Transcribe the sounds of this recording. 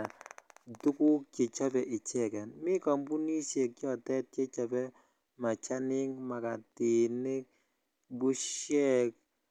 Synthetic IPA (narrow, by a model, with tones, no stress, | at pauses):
tu˦ku˦kke˨t͡ʃa˦bɛ˨ʔɪ˨t͡ʃɛ˦˨kɛ˨nmɪ˦ka˨mbu˦ni˦sɛ˨kjɔ˦˨tɛ˦t̚kɛ˦t͡ʃa˨bɛ˦ | ma˨t͡ʃa˦nɪ˦ŋma˨ka˨tɪ˨nɪ˦k̚ | bu˦ʃjɛ˦k̚